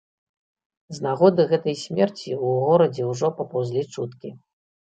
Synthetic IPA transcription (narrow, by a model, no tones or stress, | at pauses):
znaɣɔd̪ɨɣɛt̪ɐjsʲmʲɛrt͡sʲiuɣɔɾɐd͡zʲɛwʐɔpɐpawzʲlʲit͡ʂut̪kʲi